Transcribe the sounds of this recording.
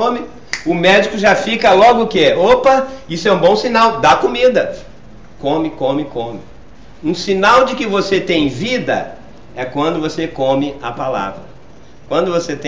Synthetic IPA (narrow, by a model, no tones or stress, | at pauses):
õmɪ | ʊmɛd͡ʒikʊʒafikɐlɔɡʊkɪɛopɐisʊɛũbõsinawd̪akomid̪ɐ | kõmɪkõmɪkõmɪ | ũsinawd͡ʒɪkɪvoset̪ẽj̃vid̪ɐ̰ | ɛkwɐ̃nd̪ʊvosekõmɪɐpala̰vɾɐ | kwɐ̃nd̪ʊvoset̪ẽ